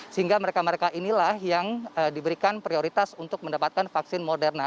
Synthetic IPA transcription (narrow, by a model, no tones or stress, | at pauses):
səɦiŋɡaməɾekaməɾekaʔinilahjaŋədibəɾikanpɾioɾit̪asunt̪ʊk̚məndapat̪̚kanfaksɪnmodɛrna